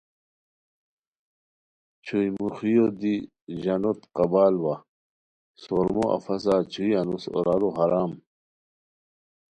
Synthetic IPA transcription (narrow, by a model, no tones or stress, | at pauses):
t͡ɕʰujmuxijod̪i | ʑɐnot̪qɐbaːlwa | soɾmoʔɐ̰fɐs̬at͡ɕʰuiɐnuso̰ɾaɾoɦaɾaːm